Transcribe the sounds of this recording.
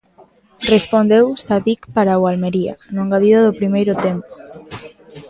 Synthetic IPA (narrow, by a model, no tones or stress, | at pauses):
respond̪ewsaðikpaɾawalmeɾia̰nõŋɡaðiðaðʊpɾimejɾʊt̪empo̥